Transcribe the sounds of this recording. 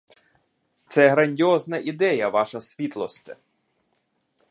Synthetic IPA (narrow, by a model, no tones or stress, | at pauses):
t̪sɛɦɾɐnʲdʲiɔznɐʔid̪ɛjɐʋɑʃɐsʲʋʲit̪lˠɔst̪ɪ